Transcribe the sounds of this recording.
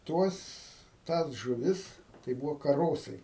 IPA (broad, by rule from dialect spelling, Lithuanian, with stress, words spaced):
ˈtuɔs ˈtɑːs ʒʊˈʋʲɪs tɐɪ ˈbuːʋoː kɐˈroːsɐɪ